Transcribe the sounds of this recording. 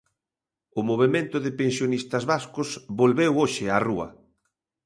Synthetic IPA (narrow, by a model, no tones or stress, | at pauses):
ʊmoβ̞emẽnt̪ʊðɪpensjonist̪ɐzβaskʊsβolβewoʃɪaruɐ̰